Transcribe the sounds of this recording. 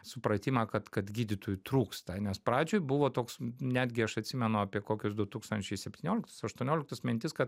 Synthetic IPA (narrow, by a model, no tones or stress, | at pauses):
sʊpɾɐt̪ʲiːmɐkɐt̪kɐt̪ɡʲiːd̪ʲɪt̪oːjʊt̪ɾuːkst̪ɐnʲɛspɾɑːd͡ʒʲoːjbʊʋoːt̪oːksnʲæːd̪ʲɡʲɪɐʃɐt̪ʲsʲɪmʲɛnʊɐpʲiɛkoːkʲʊsd̪ʊt̪uːkst̪ɐnʲt͡ʃʲɛɪsʲɛpʲt̪ʲiːnʲoːlʲɪkt̪ɐ̥sɐʃt̪uɔnʲoːlʲɪkt̪ɐsmʲɪnʲt̪ʲɪskɐt̪